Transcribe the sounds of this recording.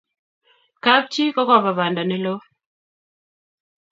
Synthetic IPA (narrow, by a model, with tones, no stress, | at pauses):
ka˦p̚t͡ʃi˦kɔ˦kɔ˦βa˨βa˨nda˨nɛ˦lo˦